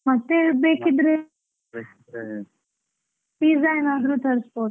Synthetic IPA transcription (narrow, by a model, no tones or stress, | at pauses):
mɐt̪ːebeːkid̪ɾe | ʈizajnaːd̪ɾuːt̪ʰɐɾspoːʈ